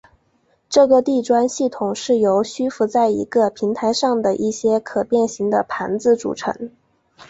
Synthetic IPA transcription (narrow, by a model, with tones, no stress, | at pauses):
ʈ͡ʂɤ˥˩ɡə˧t̪i˥˩ʈ͡ʂwa˥nɕi˥˩t̪ʰʊ˨˩ŋʂɻ̩˥˩jo˧˥ʊɕy˥fu˧˥t͡sa˥˩ɪḭ˧˥ɡə˧pʰi˧˥ŋt̪ʰa˧˥ɪʂɑ˥˩ŋd̪ə˩ʔi˥˩ɕjɛ˥kʰɤ˨˩pjɛ˥˩nɕi˧˥ŋd̪ə˧pʰa̰˧˥nd͡zɹ̩˥˧ʈ͡ʂṵ˨˩ʈ͡ʂʰɤ̰˧˥ŋ